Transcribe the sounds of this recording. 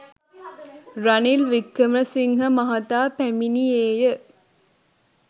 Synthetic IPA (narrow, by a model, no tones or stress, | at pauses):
ɾɐnilʋikːɐməsiŋɦɐmɐɦɐt̪aːpæminieːjə